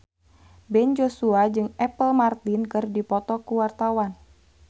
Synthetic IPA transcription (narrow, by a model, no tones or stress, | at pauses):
bɛnd͡ʒosuad͡ʒɨŋɛpəlmart̪inkɨrdipɔt̪ɔkuwart̪awan